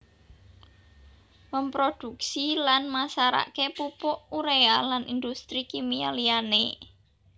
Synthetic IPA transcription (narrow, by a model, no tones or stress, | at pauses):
məmpɾod̪̥ṳksilanmasaɾa̰ʔkepupʊʔuɾealanind̪ust̪ɾikimia̰liane